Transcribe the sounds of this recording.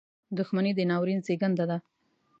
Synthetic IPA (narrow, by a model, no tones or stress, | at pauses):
d̪ʊxmanid̪ənɑwɾinseɡand̪ad̪a